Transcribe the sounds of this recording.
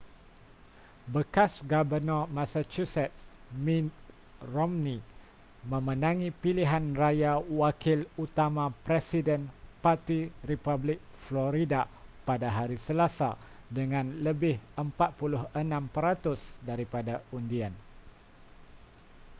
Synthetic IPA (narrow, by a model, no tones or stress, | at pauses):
bəkasɡabənɔmasat͡ʃusɛt̪̚s | mĩt̪ | rɔmni | mə̃mənãŋĩpiliɦanrajawakʰɪlut̪amãpɾɛsidɛnpat̪iripablɪk̚flɔɾidapadaɦaɾisəlasadəŋãnləbɪhəmpat̪̚pulʊɦənãmpəɾat̪ʊsdaɾipadaundian